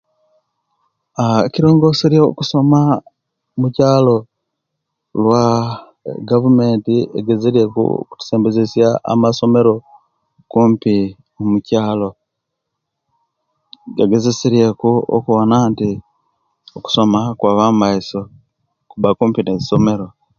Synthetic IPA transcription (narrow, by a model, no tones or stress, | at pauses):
aeciɾo̞ːŋɡo̞siɾjḛkuso̞ma | mucaːlo̞ | lwa | ɡavume̞ːntieɡe̞zeɾje̞kṵo̰ku̥tu̥se̞ːmbezesjaa̰maso̞me̞ɾo̞ | kuːmpi | mumucaːlo̞ | ɡeɡe̞zesiɾje̞kuo̰kuβonaːnti | oku̥so̞makwaβamaiso̞ | kuβakuːmpineziso̞me̞ɾo̞